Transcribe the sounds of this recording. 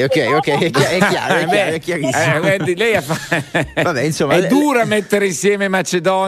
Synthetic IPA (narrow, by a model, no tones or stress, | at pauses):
okɛjokːɛjɛkjaɛkja̰ːɾɛbɛɛkjaɾisːiɛkwɛnd̪ilɛjafavabɛinsomaɛdd̪uːɾamet̪ːeɾeinsjɛːmemat͡ʃed̪ɔː